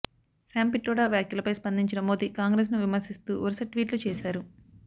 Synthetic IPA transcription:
saːmpiʈɾɔːɽaːʋjaːkjulɐpɐjspɐnd̪ʱiɲt͡ʃinɐmoːd̪ikaːŋɡɾeːs̬nuʋimɐɾsist̪uːʋɐɾsɐʈːʋiːʈlut͡ʃɛːsaːɾu

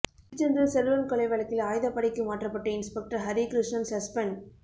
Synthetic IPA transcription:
d͡ʒɐndɾɐlsɛɾɯʋɐlkɐɭɐɪʋɐɭɐkːɪlaːjðɐpːɐɽɪkːɯmaːʈrɐpːɐʈːɯɪnspɐk̚ʈɐɾɦɐɾikɾɪʂɳɐmsɐspɐn

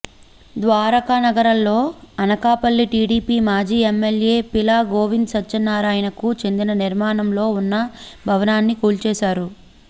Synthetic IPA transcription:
d̪ʋaːɾɐkanɐɡɐɾɐlːo̞ːɐnɐkaːpɐlːiʈiːɽiːpiːmaːd͡ʒiːemːelje̞ːpilaːɡo̞ːʋind̪sɐtːt͡ʃɐnːaːɾaːjɐnɐkut͡ʃe̞nd̪inɐniɾmaːnɐmlo̞ːunːɐbʱɐʋɐnaːnːikuːlt͡ʃɛːʃaːɾu

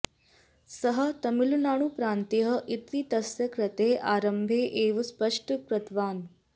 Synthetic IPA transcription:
sɐɦə̆t̪ɐmilunaːɳ̃upɾaːnt̪iɦɐʔit̪it̪ɐsjɐkɾɐt̪eːʔaːɾɐmbʱeːʔeːʋɐspɐʂʈəpɾɐt̪ʰʋaːn

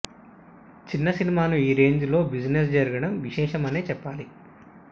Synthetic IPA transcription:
t͡ʃinːɐsinimaːnuiːɾe̞ːɲd͡ʒulo̞ːbid͡ʒnes̬d͡ʒɐɾuɡɐɽɐmʋiʃɛːʃɐmɐne̞ːt͡ʃɛpːaːli

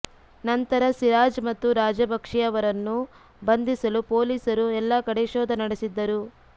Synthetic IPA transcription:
nɐnt̪ɐɾɐsiɾaːd͡ʒmɐt̪ːuɾaːd͡ʒɐbɐkʂijɐʋɐɾɐnːu | bɐnd̪isɐlupoːliːsɐɾuɛlːɐkɐɽeʃoːd̪ɐnɐɽesid̪ːɐɾu

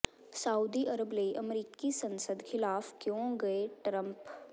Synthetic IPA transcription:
sauːd̪iʔɐɾəbleʔɐmɾiːkisɐ̃nsəd̪xʰɪlaːfkjõːɡɐeʈɾə̃mp

